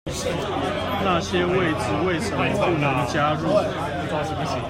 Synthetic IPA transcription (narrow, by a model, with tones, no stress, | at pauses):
na˥˨ɕjɛ˦˥we˥˩ɪt͡sɹ̩˥˩we˥˩ɪʂə˨˦mə˧pu˥˩nə˧˦˥ŋt͡ɕja˦ɻo˥˨˩